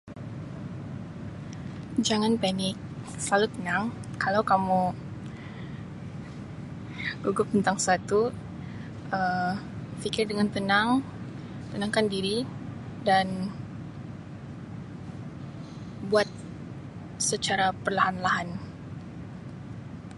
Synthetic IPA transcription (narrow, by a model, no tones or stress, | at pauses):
d͡ʒaŋanpɛnɪk̚ | səlalut̪ənaŋkalawkamu | ɡuɡʊp̚t̪ənt̪aŋsat̪u | ʔə | fikɪrdəŋant̪ənaŋ | t̪ənaŋkandiɾidan | buat̪̚ | sət͡ʃaɾapərlaɦanlaɦan